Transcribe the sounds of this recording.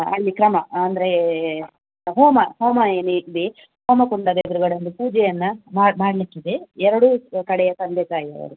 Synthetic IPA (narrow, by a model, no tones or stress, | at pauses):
ɐ̰lːikɾɐmɐɐnd̪ɐɾe | ɦoːmɐhoːmɐeːnub̪e | hoːmɐkuɳɖɐd̪ed̪ɐɾuɡɐɽond̪upuːd͡ʒɛjɐnːɐmaːmaːɽɐlikːid̪eɛɾɐɽukɐɽɛjɐsɐnd̪ʱɛt̪aːjiɐ̰ʋɐ̰ɾu